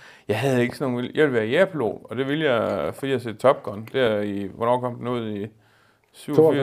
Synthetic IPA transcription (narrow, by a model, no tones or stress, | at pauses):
jɑ̈ɪɦæð̞ˠe̝ɡ̥əsɒno̝ːnʋiljɑ̈ʋilʋæːɐiæɐpʰlo̝̰ɒ̽d̥e̝ʋiljɑ̈fɒ̽d̥ḭːjɑase̝̰̥ːt͡sʰɒ̽b̥̚ɡ̥ʰɒnd̥æɐiʋɒnɒ̰ːkʰɒ̽m̰d̥enoð̞̰ˠi | syʊ̰fi